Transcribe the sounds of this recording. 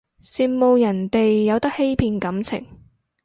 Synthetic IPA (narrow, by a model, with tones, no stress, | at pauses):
siː˨˧nmo˨wjɐ˨˩nt̪e˨jːɐ˨˧wt̪ɐ˥k̚he˥jpʰiː˧nkɐ˨˥mt͡sʰɪ̰˨˩ŋ